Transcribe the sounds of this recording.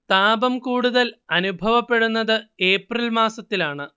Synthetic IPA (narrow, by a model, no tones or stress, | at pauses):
t̪aːbɐmkuːɽuðɐlɐnubʱɐʋɐpːe̞ɽunːɐðɨe̞ːprɐlmaːsɐt̪ːilaːɳɨ